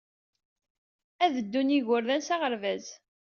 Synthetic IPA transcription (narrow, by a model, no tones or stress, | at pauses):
æðəd̪ːuniʝʊɾðænsaʁəɾvæz